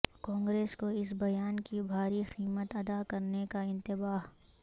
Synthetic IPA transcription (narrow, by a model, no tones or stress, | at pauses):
kɔ̃ːŋɡɾeːskoɪsbɐjaːnkibʱaːɾixiːmət̪ɐd̪akɐɾnekaɪ̃nt̪ɪbaːɦ